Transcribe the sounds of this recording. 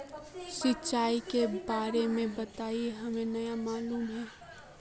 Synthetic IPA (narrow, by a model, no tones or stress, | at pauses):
sɪtːt͡ʃaːikebaːɾemẽbɐt̪aːieɦɐmẽnɐjamaːluːmɦɛː